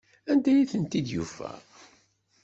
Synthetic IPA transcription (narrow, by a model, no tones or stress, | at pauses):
ænd̪æjiθənt̪id̪jufæ̰